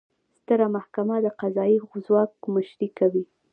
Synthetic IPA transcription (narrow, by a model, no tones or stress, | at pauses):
st̪əɾamahkamad̪əqazɑjizwɑk̚məʃɾikawi